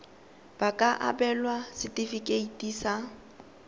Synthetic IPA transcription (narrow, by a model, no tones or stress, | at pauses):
b̥akʼaʔa̰bɛlwasɪtʼifikʼeitʼisa